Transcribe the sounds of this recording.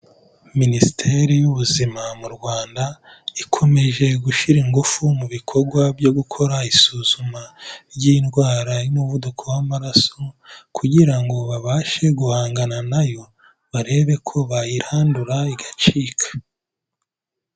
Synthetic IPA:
ministʰe̞ɾijuβuzimamuɾɡwaːnda | ikʰo̞me̞ʒe̞ɡuʃiɾiŋɡufumuβikʰoɾɡwabjo̞ɡukʰo̞ɾaisuːzumaɾjinɡwaːɾajumuβudukʰo̞wamaɾaso̞kʰuɟiɾaŋɡo̞βaβaːʃe̞ɡuhaːŋɡananajo̞ | βaɾe̞ːβe̞kʰo̞βajiɾhaːnduɾaiɡat͡ʃiːkʰḁ

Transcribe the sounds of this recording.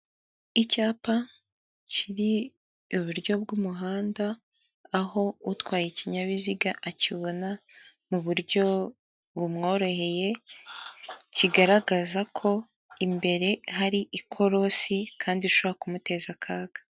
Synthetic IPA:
icaːpa | cʰiɾi | uβuɾɟo̞b̚ɡumuɦaːndaː | ɦo̞utkwaːjeciɲaβiziɡaʔaciβo̞na | muβuɾɟo̞ | βumŋo̞ːɾo̞he̞je̞ | ciɡaɾaɡazakʰo̞ | imbe̞ɾe̞ɦaɾiʔikʰo̞ɾo̞sikʰaːndiuʃoβoɾakumute̞zakʰaːɡ̥ḁ

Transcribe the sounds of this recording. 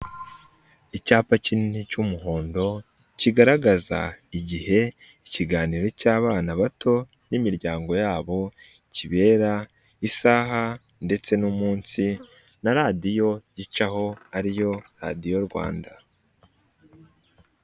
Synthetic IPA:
icaːpacinnicumuɦo̞ːndo̞ | ciɡaɾaɡaza̰iɟihe̞ | iciɡaːniɾo̞caːβaːnaβatʰo̞ | nimiɾɟaːŋɡo̞jaːβo̞ | ciβe̞ːɾa | isaːɦa | nde̞t͡se̞numuːnsi | naɾadijo̞ɟit͡ʃaho̞aɾijo̞ɾa̰dijo̞ɾɡwa̰ːnda

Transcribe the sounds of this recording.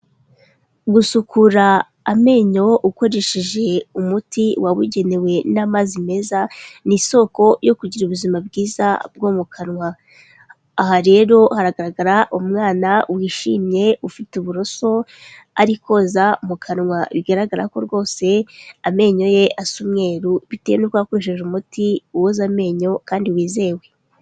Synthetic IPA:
ɡusukuɾaː | me̞ːɲo̞ʔuko̞ɾe̞ʃiʒe̞umutiwaβuɟe̞ne̞we̞namazime̞zaniso̞ko̞jo̞kuɟiɾuβuzimabɡiːza̰b̚ɡo̞mukʰanŋwaː | haɾe̞ːɾo̞haɾaɡaɾaɡaɾaʔumŋaːnawiʃḭːmɲe̞ufituβuɾo̞so̞ | a̰ɾiko̞ːzamukʰanŋwaβiɡaɾaɡaɾa̰ko̞ɾɡo̞ːse̞ame̞ɲo̞je̞ʔasumŋe̞ːɾuβitejenukwakuiʃeʒumutiuwozame̞ːɲo̞kaːndiwiːze̞we̞

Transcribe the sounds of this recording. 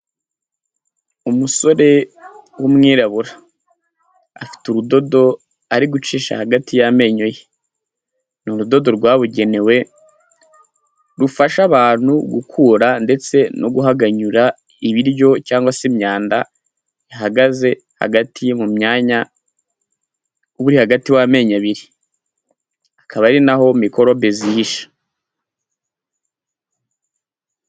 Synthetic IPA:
umuso̞ɾe̞wumŋiːɾaβuɾa | fi̥tuɾudo̞do̞ | aɾiɡut͡ʃiːʃa̰haɡatʰijame̞ɲo̞je | nuɾudo̞do̞ɾɡwaːβuɟe̞ne̞we̞ | ɾufaʃaβaːn̥huɡukʰuːɾande̞t͡se̞noɡuɦaɡaɲuɾa | iβiɾɟo̞caːŋɡwasimɲaːnda | jaɦaɡaze̞ | ha̰ɡatʰijmumɲaːɲa | uβuɾihaɡatiwame̞ːɲaβiɾi | akʰaβaɾinaɦo̞miko̞ɾo̞bezihiʃḁ

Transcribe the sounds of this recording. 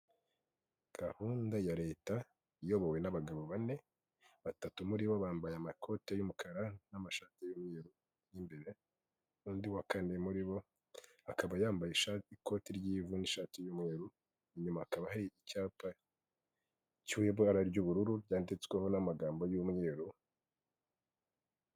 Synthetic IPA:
ɡ̥ahuːndajaɾe̞ːta | ijo̞βowe̞naβaɡaβoβane̞ | βatatumuɾiβoβaːmbajamakʰo̞tejumukʰaɾanamaʃaːtijumŋeːɾu | jimbe̞ɾe̞ | uːndiwakanemuɾiβo̞ | akaβajaːmbajeʃaiko̞tiɾɟiːvuniʃaːtijumŋe̞ːɾu | iɲumaakaβahaɾiicaːpa | ciweβoaɾaɾɟuβuɾuɾuɾɟaːndit͡sweho̞namaɡaːmbo̞jumŋe̞ːɾu

